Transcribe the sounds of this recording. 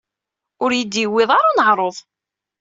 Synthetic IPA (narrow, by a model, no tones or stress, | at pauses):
ʊɾjəd̪jəwːɪðˤɑɾanəʕɾˤoðˤ